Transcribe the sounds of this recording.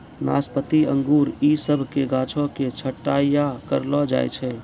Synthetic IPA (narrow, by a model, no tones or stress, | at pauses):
na̰spət̪iə̰̃ŋɡuɾisəbʱkeɡãːt͡ʃʰõket͡ʃʰəʈːajakəɾlɔd͡ʒa̰j̰t͡ʃʰɛ